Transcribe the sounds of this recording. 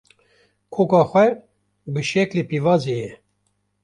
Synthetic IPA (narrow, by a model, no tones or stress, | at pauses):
kʰoːkɑːxʷɛ | bəʃɛklepivɑːzejɛ